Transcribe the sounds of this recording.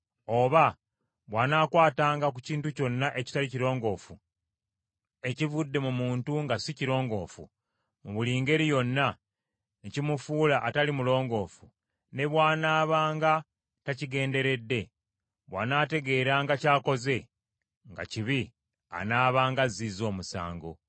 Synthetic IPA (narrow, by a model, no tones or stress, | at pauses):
o̞βa | βwaːnaːkwaːtaːŋɡak̬uciːntuco̞nːaʔe̞ci̥taliciɾo̞ːŋɡo̞ːfu | e̞civudːe̞mumuːntuŋɡasiciɾo̞ːŋɡo̞̰ːfṵ | muβuliːŋɡe̞ɾijo̞nːa | nicimufuːlaʔːtalimulo̞ːŋɡo̞ːfu | ne̞βwaːnaːβaːŋɡa | taciɡe̞ːnde̞ɾe̞dːe̞ | βwa̰ːnaːte̞ɡe̞ɾaːŋɡacaːko̞ze̞ | ŋɡa̰ciβi | a̰naːβaːŋɡazizo̞ːmusa̰ːŋɡo̞̰